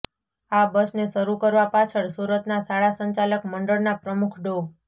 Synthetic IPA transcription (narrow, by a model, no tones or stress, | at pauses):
abəsneʃəɾukəɾʋapat͡ʃʰəɭsuɾət̪nasaɭasəɲt͡ʃaləkməɳɖəɭnapɾəmukʰɖo